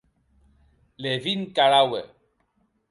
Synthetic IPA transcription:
levinkalawɛ̰

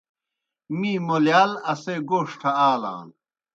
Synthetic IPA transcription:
miːmoljaːlɐseɡoːʂʈʰɐaːla̰ːn

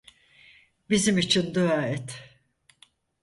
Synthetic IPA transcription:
bizimit͡ʃʰind̪yaːɛt̪

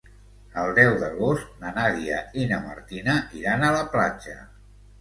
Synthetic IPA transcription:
əlˠd̪ɛwðəɣost̪nənaðiəinəmə̰ɾt̪inəʔiɾanələpla̰t͡ʃə̰

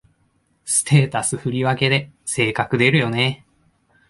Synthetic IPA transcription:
sɨ̥t̪e̞ːt̪asɨɸɯ̟ɾʲiβake̞d̪e̞se̞ːkakɯ̟d̪e̞ɾɯ̟jo̞ne̞

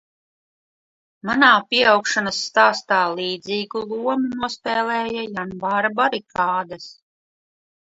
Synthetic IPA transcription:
manaːpiɛawkʃanasːt̪aːst̪aːlˠiːd̪ziːɡulˠuɔmunuɔspɛːlɛːjajanbaːɾabaɾikaːd̪ɐs

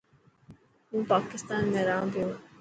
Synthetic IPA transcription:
ɦũːpaːkɪst̪aːnmẽɾaːãp̪ɪjõː

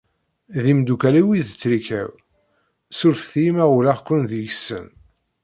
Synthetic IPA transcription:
ðimd̪ukæliwiðət͡sːɾikæ̰w | sʊɾθθimæulaʁkʷːʊnðiʝsə̰n

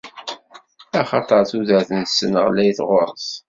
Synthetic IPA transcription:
æχɑt̪ˤəɾˤθuðæɾθənsənəʁlæjθʁʊɾˤs

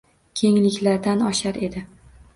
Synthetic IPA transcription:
kʲʰe̞ŋlɪkʲlaɾd̪anɒʃaɾe̞d̪ɪ

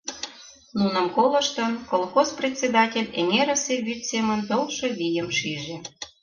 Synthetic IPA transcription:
nunə̆mkolə̆ʃt̪ɤ̆nkolˠxosprʲet̪ʲt͡sʲed̪ɑtʲelʲenʲeɾəseβʲyt̪semə̆nt̪olˠʃɤ̆βʲijə̆mʃiʒĕ

